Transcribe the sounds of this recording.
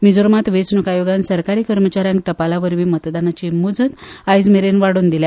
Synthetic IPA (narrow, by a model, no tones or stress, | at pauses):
mid͡zoɾmat̪ʋet͡snukajoɡansəɾkaɾiːkəɾmət͡ɕaɾjãŋkʈəpalaʋəɾʋiːmət̪d̪anat͡ɕimud͡zət̪ajd͡zmeɾenʋaɽuːnd̪ilja